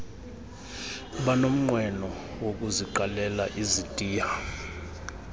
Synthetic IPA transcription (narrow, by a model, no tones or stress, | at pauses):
ɓanom̩ŋ͡ǃʱwɛnɔ | wok̬ʼuziǃalɛlaʔizitʼiːja